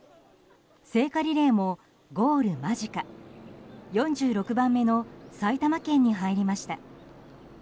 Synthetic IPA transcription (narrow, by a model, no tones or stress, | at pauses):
se̞ːkaɾʲiɾe̞ːmo̞ | ɡo̞ːɾɯ̟maʑika | jõ̞ɲ̟d͡ʑɨːɾo̞kɯ̟bãmːe̞no̞sait̪amakẽ̞ɲ̟ːiɦaiɾʲimaɕi̥t̪a